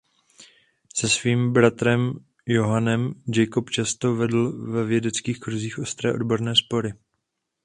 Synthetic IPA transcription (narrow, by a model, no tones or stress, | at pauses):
sɛsviːmbɾat̪ɾɛm | jo̞ɦanɛmd͡ʒɛjkopt͡ʃast̪o̞vɛdl̩vɛvjɛdɛt͡skiːxkɾuziːxʔo̞st̪ɾɛ̰ːʔo̞dbo̞ɾnɛːspo̞ɾɪ